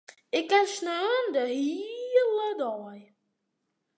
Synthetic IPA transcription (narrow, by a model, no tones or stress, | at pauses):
ɪkːansnøːəndəɦilədɔːj